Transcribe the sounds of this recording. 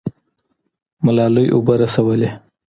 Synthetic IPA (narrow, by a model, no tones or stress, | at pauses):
malɑlujʔʊ̰baɾasawəle